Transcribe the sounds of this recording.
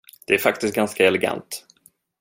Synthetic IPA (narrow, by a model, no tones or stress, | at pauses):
d̪̥ɛæɾfak̚t̪ɪst̪̚ɡanskaɛlɛɡa̰nt̪